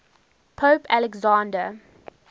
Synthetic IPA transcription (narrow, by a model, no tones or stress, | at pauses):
pʰoːpʰælɛɡzãːndə